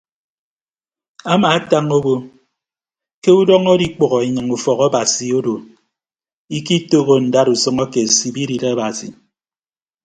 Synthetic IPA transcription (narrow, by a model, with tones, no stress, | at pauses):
a˦ma˨a˦ta˦ŋo˦bo˦ | ke˦u˦dɔ˦ŋo˦di˦k͡pɔ˨ɣɔ˨e˨ɲɨ˨ŋu˨fɔ˨ɣa˦ba˨si˨o˦do˨ | i˦ki˦to˦ɣo˦n̩˨da˦ɾu˨sɔ˦ŋɔ˦ke˨si˨bi˦ɾi˨ɾa˦ba˨sḭ˨